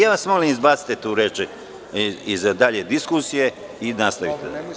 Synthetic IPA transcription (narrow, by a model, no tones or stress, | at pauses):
jaːʋasmo̞limizbaːt̪si̥t̪et̪uːɾeːt͡ʃ | izd̪aʎe̞d̪iskusije̞ | inast̪aʋḭt̪e